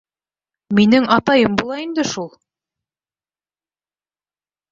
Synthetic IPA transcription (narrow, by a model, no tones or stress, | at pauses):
minɘŋɑt̪ɑjɤmbulˠɑind̪ɘʃulˠ